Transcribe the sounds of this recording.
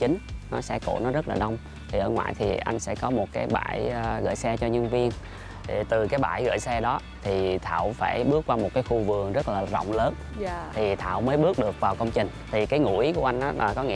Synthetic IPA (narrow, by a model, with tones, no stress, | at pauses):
t͡ɕï˨˦ŋ̟nɔ˨˦sɛ̰˧˥ko̰˧˩nɔ˨˦zə˦˥t̚laː˨˩ɗə˧wŋ͡m | t̪ʰi˨˩ʔəː˧˩ŋwa̰ː˧˨jt̪ʰi˨˩ʔa˧jŋ̟sɛ̰˧˥kɔ˨˦mo˨˩t̚kaː˨˦jɓa̰ː˧˩jɣə̰ː˧˨jsɛ˧t͡ɕɔ˧ɲə˧nvi˧ən˨˩ | t̪ɨ˨˩kaː˨˦jɓa̰ː˧˩jɣə̰ː˧˨jsɛ˧ɗɔ˨˦ | t̪ʰi˨˩t̪ʰa̰ː˧˨wfaː˧˩jɓɨ˦˥ək̚ːwaː˧mo˨˩t̚kaː˨˦jxu˧vɨ˨˩əŋzə˦˥t̚laː˨˩zə̰˧˨wŋ͡mləː˨˦n | t̪ʰi˨˩t̪ʰa̰ː˧˨wməː˨˦jɓɨ˦˥ək̚ɗɨ˨˩ək̚vaː˨˩wkə˧wŋ͡mt͡ɕï˨˩ŋ̟t̪ʰi˨˩kaː˨˦jŋṵ˧˩i˦ku˧˩əʔa˧ŋʔaː˨˦laː˨˩kɔ˨˦ŋḭ˧˨